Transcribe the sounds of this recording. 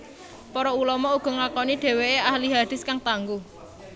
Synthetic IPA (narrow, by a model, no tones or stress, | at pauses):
pɔɾɔulɔmɔuɡ̥ɔ̤ŋakɔniɖ̪̥e̤weeʔahliɦad̪̥ɪ̤skaŋt̪aŋɡu